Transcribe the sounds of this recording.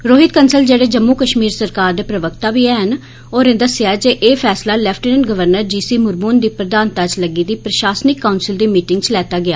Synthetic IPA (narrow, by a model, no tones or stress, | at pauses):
ɾoːɦɪt̪kənsəld͡ʒeːɽeːd͡ʒəmːuːkəʃmiːɾsəɾkaːɾd̪eːpɾəʋəkt̪aːʋiːɛːɦən | oːɾẽːd̪əsjaːɛd͡ʒeːʔeːpʰɛːslaːlɛpʰʈinənɡəʋəɾnəɾd͡ʒiːsiːmʊɾbuːnd̪iːpɾəd̪ãːnt̪at͡ʃləɡiːd̪iːpɾəʃaːsnɪkːaʊnsɪld̪iːmiːʈɪ̃ŋɡt͡ʃlɛːt̪aːɡɪjaː